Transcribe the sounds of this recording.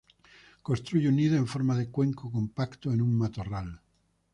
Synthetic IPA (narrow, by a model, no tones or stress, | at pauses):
konst̪ɾuʝeuniðoẽɱfoɾmaðekwe̞ŋkokompakt̪oenũmmat̪oral